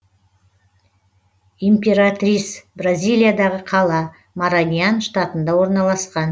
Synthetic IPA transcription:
impʲeɾat̪rʲisbrazʲijlʲˠijad̪ɑʁəqʰɑlˠɑ | maɾanʲijanʃt̪at̪ənd̪ɑwo̞ɾnɑlˠɑsqɑn

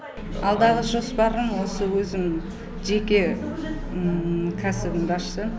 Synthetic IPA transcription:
ɑlˠd̪ɑʁəʒo̞spɑɾəmwo̞səwɵzɪm | ʒe̞kʲe̞ | kʲʰæsɪbɪnbɑʃsə

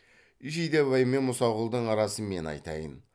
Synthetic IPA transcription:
iʒijd̪ebɑjəme̞nmʊsɑʁʊlˠd̪əɴɑɾɑsəme̞nɑ̰jt̪ɑjən

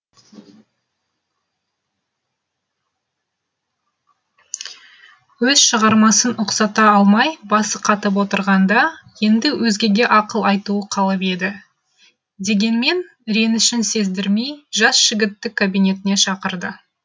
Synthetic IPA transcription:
wɵz̥ʃəʁɑɾmɑsənʊqsɑt̪ɑɑlˠmɑjbɑsəqʰɑt̪əp̬wo̞t̪əɾʁɑnd̪ɑje̞nd̪ɪwɵzɡʲe̞ɡʲe̞ʔɑqəlˠɑjt̪uəqʰɑlˠəpe̞d̪ɪ | d̪e̞ɡʲe̞nme̞n | ɾe̞nɪʃɪnse̞zd̪ɪɾme̞jʒɑsʒ̥ɪɡʲɪt̪ːɪkʰːabijne̞t̪ɪne̞ʃɑqəɾd̪ə

